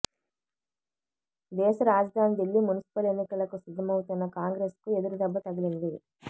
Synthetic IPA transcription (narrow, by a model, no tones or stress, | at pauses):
d̪ɛːʃɐɾaːd͡ʒɐd̪ʱaːnid̪elːimunisi̥pɐle̞nːikɐlɐkusid̪ʱːɐmɐwut̪unːɐkaːŋɡɾe̞ːskue̞d̪uɾud̪ɐbːɐt̪ɐɡɐlind̪i